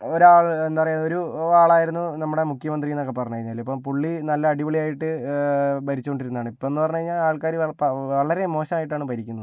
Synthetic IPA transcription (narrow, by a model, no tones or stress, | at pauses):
oɾuaːɭenːpɐrɐɲjuo̞ɾuaːɭaːjiɾunːunɐmːuɽe̞mukʰjɐmɐnd̪rijinokːepɐrɐɲːɐːɾiɲːaːlːeipːɐmpuɭːinɐlːɐːɽiʋɐɭijaːjiʈːɨ | bɐɾit͡ɕːukoɳɖiɾunːaːɳɨipːoːenːɨpɐrɐɲːɐaːiɲːaːaːɭkaːɾiɐpɐʋɐɭɐɾe̞mo̞ːɕɐmaːjiʈːaːɳɨpɐɾikʲːunːɐðɨ